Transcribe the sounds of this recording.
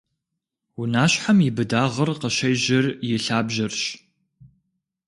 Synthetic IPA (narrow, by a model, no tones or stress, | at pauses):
wunaːɕħamjɪbɨdaːʁɐrqəʃɐjʑɪrjɪɬaːbʒɐrɕ